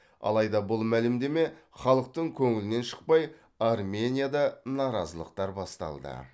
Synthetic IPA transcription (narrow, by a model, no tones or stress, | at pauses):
ɑ̰lˠɑjd̪ɑbʊlˠmælɪmd̪e̞me̞χɑlˠəq̚t̪əɴkʲʰɵŋɪlɪne̞nʃə̥q̚pɑj | armʲe̞nʲijad̪ɑnɑɾɑzəlˠə̰q̚t̪ɑɾbɑst̪ɑ̰lˠd̪ə̰